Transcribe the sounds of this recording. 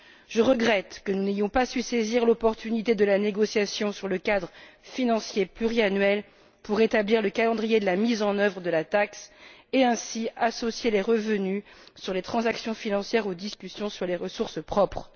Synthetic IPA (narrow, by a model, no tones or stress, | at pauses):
ʒ̥əʁəɡʁɛt̪kənunejɔ̃pasyseziʁlɔpɔʁt̪ynit̪ed̪əlaneɡɔsjasjɔ̃syʁləkad̪ʁəfinɑ̃sjeplyʁianɥɛl | puʁet̪abliʁləkalɑ̃d̪ʁijed̪əlamizɑ̃nœvʁəd̪əlat̪akseɛ̃siasɔsjeleʁəvənysyʁlet̪χɑ̃zaksjɔ̃finɑ̃sjɛʁod̪iskʲysjɔ̃syʁleʁəsuʁspχɔpχ